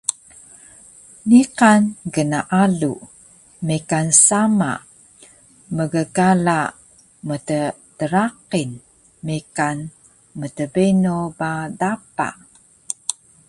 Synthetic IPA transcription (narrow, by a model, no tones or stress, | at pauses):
niqanɡənaʔalu | mikansama̰ | məɡəɡala | mətə | təɾaqin | mikan | mətəbenobadapa̰ʔ